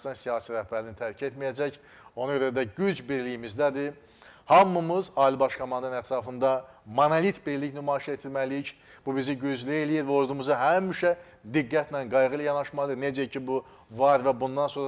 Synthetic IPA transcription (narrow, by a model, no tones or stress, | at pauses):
t̪ɑnsijɑːsiɾæhbæɾlinit̪ʰæɾcʰe̞t̪mijæd͡ʒæc | o̞nɑɟøɾæd̪æɟyd͡ʒbiɾlijimizd̪æd̪i | hɑmːɯmɯzɑːilibɑʃkʰomɑnd̪ɑnɯnæt̪ʰɾɑːfɯnd̪ɑmɑnɑlit̪ʰbiɾliçnymɑːiʃet̪ʰilmælic | b̥ubiziɟyd͡ʒlie̞lijiɾvæo̞ɾd̪umuzɑɦæmiʃæ | d̪iɡːæt̪nænɡɑjɣɯilʲæjɑnɑʃmɑd̪ɯned͡ʒæcʰibu | vɑɾvæbund̪ɑnso̞n